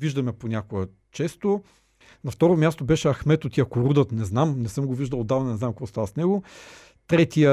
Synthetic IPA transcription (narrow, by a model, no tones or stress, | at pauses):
viʒd̪ɐmɛponʲakoɡə | t͡ʃɛst̪o | nɐft̪ɔɾomʲjast̪obɛʃɛɐxmɛt̪ot̪ʲiəkoɾud̪ət̪nɛznamnɛsɤmɡoviʒd̪əlˠod̪ːavnɐnɛzamkokɔst̪avəsnɛɡo | t̪ɾɛt̪iə